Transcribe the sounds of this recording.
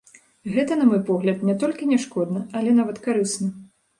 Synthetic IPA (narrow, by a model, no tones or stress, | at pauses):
ɣɛt̪ɐnɐmɔjpɔɣlʲɐt̪nʲɛt̪ɔlʲkʲinʲɛʂkɔd̪nɐɐlʲɛnavɐt̪kaɾɨsnɐ